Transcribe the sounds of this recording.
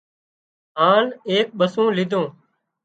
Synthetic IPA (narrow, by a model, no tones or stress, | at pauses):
ɦaːneːk̚ɓəsũːlɪd̪ʱõː